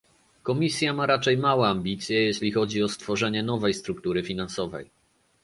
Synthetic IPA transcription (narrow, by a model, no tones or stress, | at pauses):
kɔmʲisʲjamaɾat͡ʂɛjmawɛambʲit̪sʲjɛjɛɕlʲixɔd͡ʑiɔst̪fɔʐɛɲɛn̪ɔvɛjst̪ɾukt̪uɾɘfʲinansɔvɛ̰j